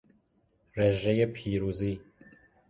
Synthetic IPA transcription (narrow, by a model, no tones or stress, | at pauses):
reʒɛjepʰiːɾuːziː